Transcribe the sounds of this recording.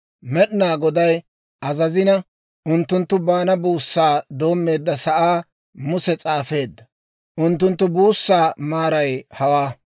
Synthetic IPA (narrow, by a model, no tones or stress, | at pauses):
mɛɗɪnaːɡɔd̪ɐj | ʔɐzɐzɪnɐ | ʔʊnt̪ːʊnt̪ːʊbaːnɐbuːsːaːd̪o̞ːmːe̞ːd̪ːɐsɐʔaː | mʊsɛt͡sʼaːfe̞ːd̪ːɐ | ʔʊnt̪̬ːʊnt̪ːʊbuːsːaːmaːɾɐjhɐwaː